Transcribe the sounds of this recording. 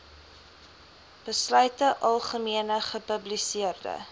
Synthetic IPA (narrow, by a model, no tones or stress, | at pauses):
b̥əslœɥtəʔɐlˠχəmiənəχəpəblisiərdə̰